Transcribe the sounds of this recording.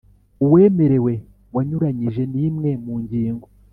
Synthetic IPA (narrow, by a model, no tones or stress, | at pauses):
uwe̞ːme̞ɾe̞we̞ | waɲuɾaɲiʒe̞niːmŋe̞muːɲɟiːŋɡo